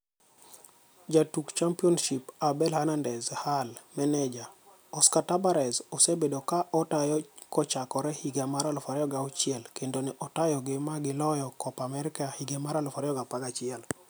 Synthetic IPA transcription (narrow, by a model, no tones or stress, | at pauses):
d͡ʒatukt͡ʃampiɔnʃipabɛlhanandɛzhalmɛnɛd͡ʒa | ɔskatabaɾɛzɔsebedokaʔɔtajɔkɔt͡ʃakɔɾɛhiɡamaɾalɔfaɾɛjɔɡaɔt͡ʃɪɛlkendonɛʔɔtajɔɡɪmaɡɪlɔjɔkɔpamɛɾɪkahiɡemaɾalɔfaɾɛjɔɡapaɡat͡ʃɪɛl